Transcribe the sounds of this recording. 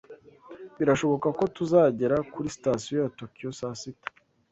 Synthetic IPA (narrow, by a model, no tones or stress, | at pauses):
βiɾaʃo̞βo̞kako̞tuzaːɟe̞ɾakuɾisi̥taːsiojato̞kijo̞saːsitḁ